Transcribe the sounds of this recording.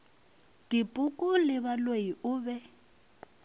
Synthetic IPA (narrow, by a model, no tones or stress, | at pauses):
dipʼʊkʼʊlɪβalweiʊːbɛ